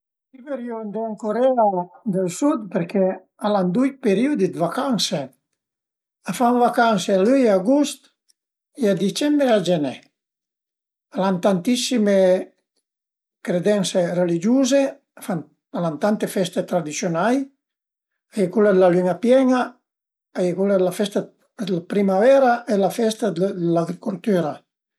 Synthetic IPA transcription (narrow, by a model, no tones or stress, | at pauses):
siveɾjond̪eaŋkoɾɛad̪elsud̪peɾkɛ | aland̪ujpeɾiud̪id̪vakanse | afaɱvakansealyjaɡust̪ | ead̪it͡ʃɛmbɾead͡ʒenɛ | alant̪ant̪isime | kɾed̪ɛnserelid͡ʒuːze | afan | alant̪ant̪efɛst̪et̪ɾad̪isjonaj | ajekulad̪elalyŋapjɛŋa | ajkulad̪lafɛst̪a | lapɾimavɛɾaʔelafɛst̪ad̪d̪laɡɾikult̪yɾa